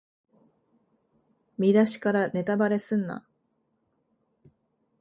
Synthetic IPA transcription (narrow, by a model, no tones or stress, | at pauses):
mʲid̪aɕi̥kaɾane̞t̪abaɾe̞sɨ̃nːa̰